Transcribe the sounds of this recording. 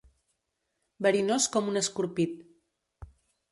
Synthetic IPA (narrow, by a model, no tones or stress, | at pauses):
bəɾinoskɔmunəskuɾpit̪̚